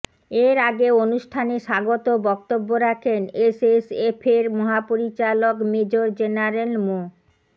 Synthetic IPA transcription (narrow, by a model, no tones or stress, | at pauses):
eɾaɡeonuʃʈʰaneʃaɡot̪obɔk̚t̪obːoɾakʰenesesepʰeɾmɔɦapoɾit͡ɕalokmed͡ʑoɾd͡ʑenaɾelmo